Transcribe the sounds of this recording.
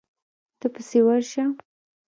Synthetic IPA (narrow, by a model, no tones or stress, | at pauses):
t̪əpəsewaɾʃa